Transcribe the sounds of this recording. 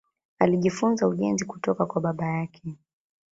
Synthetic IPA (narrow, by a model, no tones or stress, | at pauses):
aliʄifunzauʄɛnziku̥tɔkakwaɓaɓajakʰɛ